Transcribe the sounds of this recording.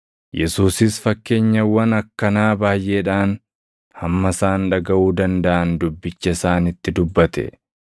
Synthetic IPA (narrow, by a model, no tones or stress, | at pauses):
jɛsuːsɪsfɐkːe̞ːɲːɐwɐnɐkːɐnaːbaːjʔeːᶑaːn | hɐmːɐsaːnᶑɐɡɐʔuːd̪ɐnd̪ɐʔɐnd̪ʊbːɪt͡ʃːɐɪsaːnɪt̪ːɪd̪ʊbːɐt̪ɛ̰